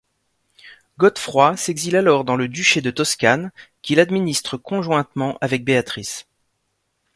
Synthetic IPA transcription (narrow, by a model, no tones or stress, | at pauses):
ɡɔt̪fχwaseɡzilalɔʁd̪ɑ̃ləd̪yʃed̪ət̪ɔskʲankʲilad̪minist̪χəkɔ̃ʒwɛ̃t̪mɑ̃ʔavɛk̚beat̪χis